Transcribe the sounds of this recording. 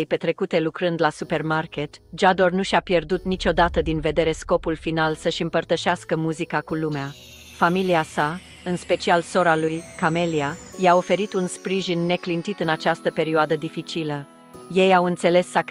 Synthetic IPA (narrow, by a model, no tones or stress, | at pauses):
jpe̞t̪ɾe̞kut̪e̞lukɾɨnd̪lasupe̞rmarke̞t̪d͡ʒad̪o̞rnuʃʲapje̞rd̪ut̪nit͡ʃo̞d̪at̪əd̪inve̞d̪e̞ɾe̞sko̞pulfinalsəʃɨmpərt̪əʃaskəmuzikakulumea | familiasa | ɨnspe̞t͡ʃialso̞ɾalujkame̞liajao̞fe̞ɾit̪unspɾiʒinːe̞klint̪it̪ɨnat͡ʃast̪əpe̞ɾioad̪əd̪ifit͡ʃilə | je̞jawɨnt̪se̞le̞sːak